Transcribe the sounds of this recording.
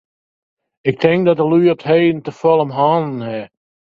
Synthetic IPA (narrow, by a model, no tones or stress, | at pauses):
ɪk̚tʰɪŋk̚dɔtəlyətɦeːn̩təfɔlˠəmɦɔːnnhɛ